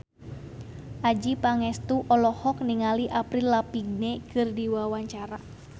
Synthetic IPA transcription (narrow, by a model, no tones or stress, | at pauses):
ʔad͡ʒipaŋɛst̪uʔɔlɔhɔkniŋaliʔapɾilːapiɡ̚nekɨrdiwawaɲt͡ʃaɾa